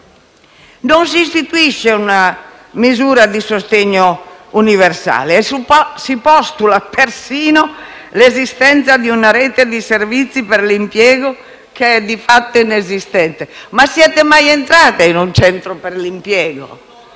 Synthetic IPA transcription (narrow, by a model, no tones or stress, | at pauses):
nons̬iːst̪it̪uiʃːeuna | mizuːɾad̪isost̪eɲːouniversa̰ːleːsipɔst̪ulapersiːno | lezist̪ɛnt̪sad̪iunaɾɛːt̪ed̪iservit̪sːipeɾlimpjɛːɡo | keɛd̪ifat̪ːoinezist̪ɛnt̪emasːiɛːt̪emajent̪ɾaːt̪einunt͡ʃɛnt̪ɾopeɾlimpjɛːɡo̰